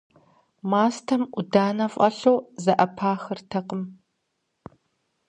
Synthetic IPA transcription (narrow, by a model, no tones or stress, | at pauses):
maːstʰɐmʔʷʊdaːnɐfʼɐɬowzɐʔɐpʰaːxɨrtʰɐqəm